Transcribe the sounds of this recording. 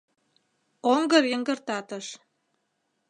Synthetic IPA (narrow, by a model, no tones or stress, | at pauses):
oŋɡɤ̆rjə̆ŋɡə̆rt̪ɑt̪ɤ̆ʃ